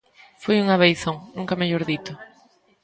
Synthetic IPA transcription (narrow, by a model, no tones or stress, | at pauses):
fojuŋɐβejθoŋnũŋkɐmeʎoɾðit̪ʊ